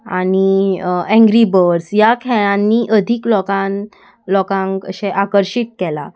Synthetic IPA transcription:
a̰ɽ̃iɛ̃ŋɡɾibəɾsjakʰɛɭãnːiʔəd̪ʱiklɔkãn | lɔkãŋkə̰ɕẽʔakəɾɕit̪̚kɛla̰

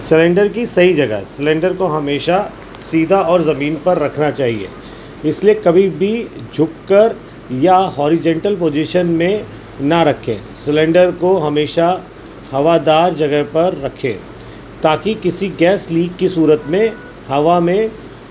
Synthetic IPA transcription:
sɪlẽɳɖəɾk̬isɐɦid͡ʒɐɡə̰ɦɛsɪlẽːɳɖəɾkoɦɐmeːʃa | siːd̪ʱaɔːɾzɐmiːnpɐɾːɐkʰnat͡ʃaːɦḭḛː | ɪsliekɐbʱibʱid͡ʒʱʊkːɐɾ | jaɦɔːɾɪd͡ʒə̃ɳʈəlp̬oːd͡ʒɪʃənmẽ | nɐɾɐkʰḛ̃ː | sɪlẽɳɖəɾkoɦɐmeːʃa | hɐʋad̪aːɾd͡ʒɐɡəɦpɐɾːɐkʰḛ̃ː | t̪aːkikɪsiɡɛːsliːɡkisuːɾət̪mẽ | hɐʋamẽ

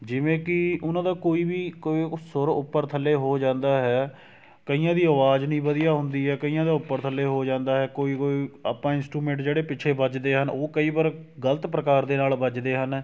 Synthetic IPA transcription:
d͡ʒɪʋẽːkɪʊnãːd̪aːkoːiːbiːkoːisʊɾʊpːəɾt̪ʰəlːeːɦoːd͡ʒãːnd̪aːɦɛː | kəijãːd̪iːəʋaːd͡ʒnĩːbəd̪ijaːɦʊnd̪iːɦɛːkəijãːd̪aːʊpːəɾt̪ʰəlːeːɦoːd͡ʒãːnd̪aːɦɛːkoːiːkoːiːa̰ːpãːɪnsʈɾuːmẽːɳʈd͡ʒeːɽeːpɪt͡ʃʰeːbəd͡ʒd̪eːɦənoːkəiːbaːɾɡələt̪pɾəkaːɾd̪eːnaːlbəd͡ʒd̪eːɦən

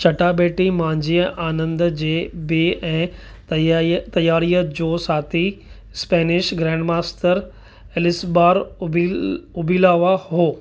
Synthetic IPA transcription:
t͡ɕɐʈabeːʈimãːɲd͡ʑiəʔaːnə̃nd̪d͡ʑeːbeʔɛ̃ː | t̪ɐjaːɾijəd͡ʑoːsaːt̪ʰi | spɛːnɪʃɡɾɛ̃ːɳɖmaːsʈəɾ | ɛlɪsbaːɾ | ʊbiːlaːʋaɦoː

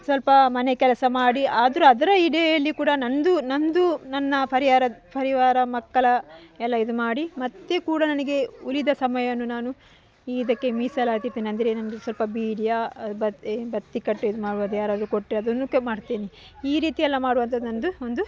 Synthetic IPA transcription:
sʋɐlpɐmɐnekɛlɐsɐmaːɽiaːd̪ɐɾuɐd̪ɐɾɐiɽejɐlːikuːɽɐnɐnd̪unɐnd̪unɐnːɐpʰɐɾiaːɾɐpʰɐɾiʋaːɾɐmɐkːɐɭɐɛlːɐid̪umaːɽimɐt̪ːekuːɽɐnɐnɐɡe̞ulid̪ɐsɐmɐjɐʋɐnːunaːnu | iːid̪ɐkːe̞miːsɐlaːɡt̪iɾt̪iːniɐnd̪ɾenɐnɐɡesʋɐlpɐbiːɽijaɐbɐbɐt̪ːikɐʈːuid̪umaːɽuʋɐd̪ujaːɾaːd̪ɐɾukoʈːɾeɐd̪ɐnːumaːɽt̪eːni | iːɾiːt̪ijɐlːɐmaːɽuʋɐnt̪ɐd̪unɐnd̪uond̪u

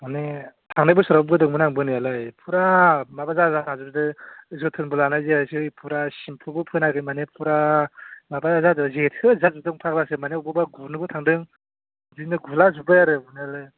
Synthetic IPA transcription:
manetʰaŋnajbɯsuɾawb̚ɡɯdɯŋmɯnaŋbɯnijalɯjpʰuɾamabazazanazuɾdɯɯs̬ɯtʰɯnbulanajzeasɯjpʰuɾasimpʰɯbɯpʰɯnaɡɯmanepʰuɾamabazadɯzetʰkʰɯzazudɯŋpʰaklasɯmaneubɯbaɡunɯbɯtʰaŋdɯŋ | zinɯɡulazubɯjaɾɯbunialɯj

